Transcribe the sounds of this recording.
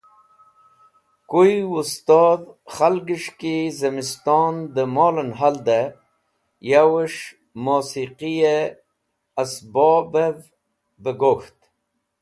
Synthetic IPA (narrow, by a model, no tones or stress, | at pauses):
kujust̪ɑːd̪χalɡəʂkizəmist̪ɔnd̪əmoːlənɦald̪a | jawəʂ | mosiqije | asbɔbev | bəɡoxt̪